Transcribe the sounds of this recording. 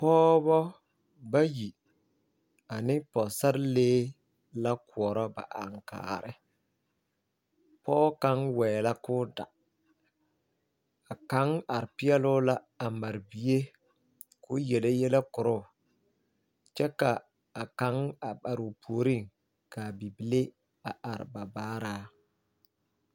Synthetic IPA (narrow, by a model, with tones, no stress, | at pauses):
pɔː˦bɔ˦ | ba˦ji˨ | a˨nɪ˦pɔ˨sa˦ɾɪ˦leː˦ | la˦kʊ˨ɔ˨ɾɔ˦ba̰˨ʔa̰˨ŋka̰ː˨ɾɪ˦ | pɔː˦ka˦ŋwɛː˨la˦kʊː˦da̰˨ | a˨ka˨˦ŋa˨ɾɪ˨pɪ˦ɛ˦lʊ˦la˦ | a˨ma˨ɾbi˦e˦ | kʊ˦jɛ˨le˦jɛ˦le˦kʊ˨ɾʊ˦˨ | t͡ʃɛ˦ka˨ | a˨ka˨˦ŋa˨ba˨ɾʊ˨pʰoː˨ɾi˦˨ŋ | ka˨bi˨bi˨le˦ | a˨ʔa˨ɾɪ̰˨ba˨baː˦ɾaː˦